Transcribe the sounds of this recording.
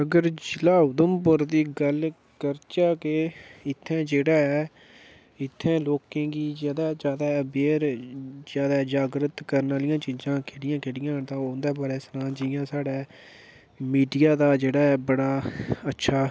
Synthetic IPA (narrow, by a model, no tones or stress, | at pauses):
əɡəɾd͡ʒɪlaːʊd̪əmpʊɾd̪iːɡəl | kəɾt͡ʃaːkeːɪt̪ʰːɛ̃ːd͡ʒeːɽaːɛː | ɪt̪ʰːɛ̃ːloːkẽːɡiːd͡ʒaːd̪aːd͡ʒaːd̪aːɛːbeːɾzjaːd̪aːd͡ʒaːɡɾət̪kəɾnaːlɪjãːt͡ʃiːzãːkʰeɽɪjãːkʰeɽɪjãːt̪ãːond̪ɛːbəɾɛːsnãːd͡ʒɪjãːsaːɖɛː | miːɖijaːd̪aːd͡ʒeːɽaːɛːbəɽaːətːʃʰaː